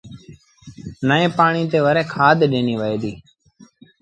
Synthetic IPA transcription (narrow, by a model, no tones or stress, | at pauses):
nəːẽːpaːɳiːt̪eːʋəɾɛːkʰaːd̪ʱɗẽːniːʋəːeːd̪iː